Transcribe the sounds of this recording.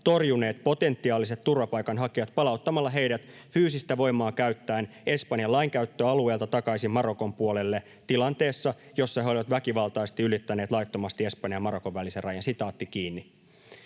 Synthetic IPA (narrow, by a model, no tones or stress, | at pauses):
t̪o̞rjune̞ːt̪po̞t̪e̞nt̪ːiɑːlise̞t̪ːurʋɑpɑjkɑnɦɑkiʋɑt̪pɑlɑut̪ːɑmɑlːɑɦe̞jɾæt̪ | fyːsist̪æʋo̞jmɑːkæɥt̪ːæːne̞spɑnjɑlɑjŋkæyt̪ːøɑlue̞ːlt̪ɑt̪ɑkɑisimmɑɾo̞ko̞mpuole̞lːe̞ | t̪ilɑnt̪e̞ːsːɑjo̞sːɑhɦeolʲiʋɑt̪ʋækiʋɑlt̪ɑjst̪iylit̪ːæneːt̪lɑjt̪ːo̞mɑst̪ie̞spɑnjɑmɑɾo̞ko̞ʋʋæliserɑjɑnsit̪ɑːt̪ːikiːnːi